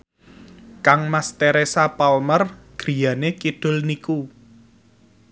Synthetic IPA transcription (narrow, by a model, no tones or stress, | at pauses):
kaŋmast̪eɾesapalmərɡ̥ɾi̤janekid̥ʊ̤lniku